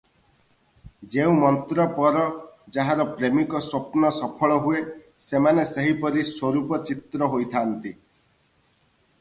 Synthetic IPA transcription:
d͡ʒeũmɔnt̪ɾɔpɔɾɔd͡ʒaɦaɾɔpɾemikɔsopnɔsɔpʰɔɭɔɦue | semaneseɦipɔɾiswoɾupɔt͡ʃit̪ɾɔɦojt̪ʰant̪i

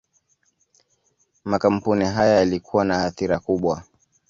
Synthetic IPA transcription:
makam̩puniɦajajalikʰuwanahaθiɾakuɓwa

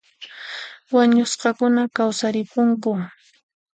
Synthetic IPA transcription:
waɲʊsqɑkʊnakawsaɾɪpʊŋkʊ

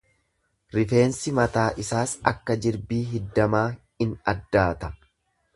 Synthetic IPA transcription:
ɾɪfe̞ːnsɪmɐt̪aːʔɪsaːsɐ̰kːɐd͡ʒɪɾbiːɦɪd̪ːɐmaː | ɪnɐ̰d̪ːaːt̪ɐ

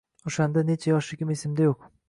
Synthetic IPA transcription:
oʃand̪ane̞t͡ʃʰajɒʃɪkʲɪmesɪmd̪ajoq

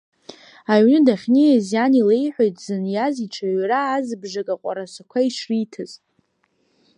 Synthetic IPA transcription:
aɥnɨdaχʲnijazjanile̞jħʷᶣojtʼzɨnjaziʈ͡ʂʰaɥraːzbʐakʼaqʷʼa̰ɾasʷakʷʰaiʂritʰɨz

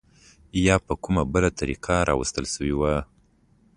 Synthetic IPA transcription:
jɑpəkumabəlat̪ʰaɾḭqʰaɾɑ̰wə̰st̪əlsəwiwa

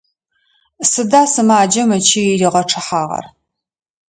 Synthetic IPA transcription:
sɨdaːsɨmaːd͡ʒɐmɐt͡ʃʰiriːʁɐʈ͡ʂʰɨħaːʁɐ̰r

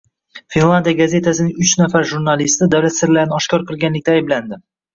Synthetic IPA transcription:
finlˠand̪ijaɡaze̞t̪ʰasɪnɪŋʊt͡ʃnafaɾʒuɾnalist̪ɪd̪awlat̪sɪɾlaɾɪnɪɒʃkʲʰɒɾqʰɨlˠɡʲanlɪk̚ʲt̪aːjɪbland̪ɪ

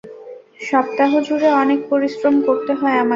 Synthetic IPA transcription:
ʃɔp̚t̪aɦod͡ʑuɾeɔnek̚poɾisɾomkoɾt̪eɦɔeama

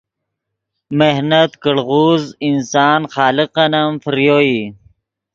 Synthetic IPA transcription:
mehnɐt̪kəɽɣuːzinsɑːnxɑːliqɐnɐmfɾjoːi

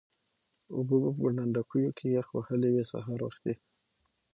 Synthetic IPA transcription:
ʊbobəpəɡəɳaɳɖakʰujokʰejaxwahəlewesa̰ɦɑɾwa̰xt̪d̪e

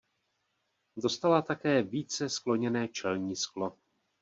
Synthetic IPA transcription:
do̞st̪alat̪akɛːviːt͡sɛsklo̞ɲɛnɛːt͡ʃɛlɲiːsklo̞

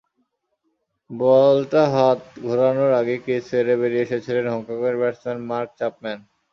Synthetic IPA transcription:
bɔlʈaɦat̪ɡʱoɾanoɾaɡekesfeɾeβeɾieʃet͡ɕʰilenɦɔŋkakeɾbɛɾsenmaɾk̚t͡ɕap̚mɛn

